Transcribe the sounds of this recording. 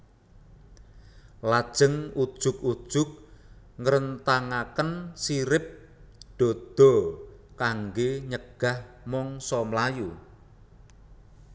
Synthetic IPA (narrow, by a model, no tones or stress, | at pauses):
lad̥ʒ̥ə̤ŋud̥ʒ̥ʊkud̥ʒ̥ʊk̚ | ŋəɾənt̪aŋakənsiɾɪp̚ | ɖ̪̥ɔ̤d̪̥ɔ̤kaŋɡeɲəɡ̥a̤h | mɔŋsɔmlaju